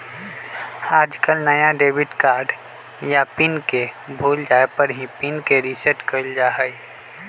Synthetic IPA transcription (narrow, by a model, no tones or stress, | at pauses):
aːd͡ʒkəlnəjaɖeːbɪʈkaːɾɖ | japɪnkebʱuːld͡ʒaːepəɾɦĩpinkeɾisəʈkəld͡ʒaːɦə